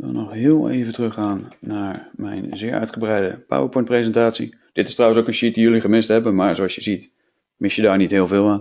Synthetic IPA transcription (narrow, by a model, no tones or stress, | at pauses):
ʋɪ̰lˠnɔχɦɪːəlˠḛjvəntrɵχaːnːaːɹmɛ̰jnzɪːɹʔœ̰ɥtχəbrɛjdə̰pa̰wəɹpɔjnprezəntaːtsi | d̥ɪtɪ̥strɔwənsowkənʃit̚dijɵliχəmɪstɦɛbənmaːɹzoɑsjəzit | mɪsjədaːɹnitɦɪːlˠvɪːlˠaːn